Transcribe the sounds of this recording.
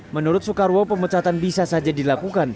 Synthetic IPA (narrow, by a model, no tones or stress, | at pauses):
mənuɾʊt̪̚sukaɾwopəmət͡ʃat̪anbisasad͡ʒadilakukan